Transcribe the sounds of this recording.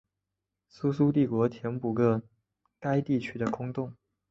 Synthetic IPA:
su˥su˥t̪i˥˩kwɔ˧˥t̪ʰjɛ˧˥npu˨˩ɡə˥˧ | ka˥ɪt̪i˥˩t͡ɕʰy˥d̪ə˨kʰʊ˥ŋt̪ʊ˥˩ŋ

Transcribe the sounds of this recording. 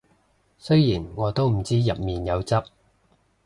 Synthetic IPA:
sɵ˥ɥjiː˨˩nŋɔː˨˧t̪o˥wm̩˨˩t͡siː˥jɐ˨p̚miː˨njɐ˨˧wt͡sɐ˥p̚

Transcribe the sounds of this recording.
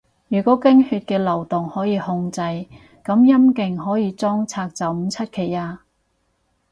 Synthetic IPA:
jyː˨˩kʷɔː˨˥kɪ˥ŋhyː˧t̚kɛː˧lɐ˨˩wt̪ʊ˨ŋhɔː˨˥jiː˧hʊ˧ŋt͡sɐ˧j | kɐ˨˥mjɐ˥mkɪ˨˩ŋɦɔː˨˥jiː˨˧t͡sɔː˥ŋt͡sʰaː˧k̚t͡sɐ˨˥wm̩˨˧t͡sʰɐ˥t̚kʰe˨˩jaː˧

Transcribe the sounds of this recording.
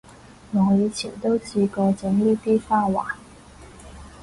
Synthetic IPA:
ŋɔ˨˧jiː˨˧t͡sʰḭ˨˩nt̪o˥wt͡sʰiː˧kɔː˧t͡sɪ˨˥ŋliː˥˩t̪iː˥faː˥waː˨˩˦n

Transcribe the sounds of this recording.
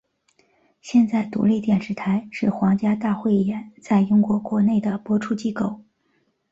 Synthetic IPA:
ɕjɛ˥˧nt͡sa˥˩ɪt̪ṵ˧˥li˥˧t̪jɛ˥˩nʂɻ̩˧˥t̪ʰa˧˥ɪʂɻ̩˥˩xwɑ˧˥ŋt͡ɕja˥t̪a˥˧xwe˥˩ɪ˩jɛ˧˥nt͡sa˥˩ɪi˥ŋkwɔ˧˥kwɔ˧˥ne˥˩ɪd̪ə˩pwɔ˥ʈ͡ʂʰu˥˧t͡ɕi˥ko˥˩ʊ

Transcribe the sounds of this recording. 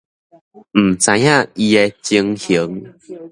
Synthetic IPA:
m̩˨˩t͡sã˧˦jã˥˨i˧e˧t͡ɕi˧ŋhi˨˦ŋ

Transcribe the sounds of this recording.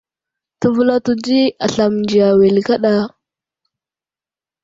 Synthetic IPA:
tu˨vu˦la˦tu˨d͡ʒi˦a˨ɬa˨m˨nd͡ʒi˨a˨we˨lka˦ɗa˦

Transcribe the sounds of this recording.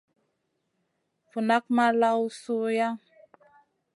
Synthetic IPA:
fu˨na˦k̚ma˦la˦wsu˦ja˦

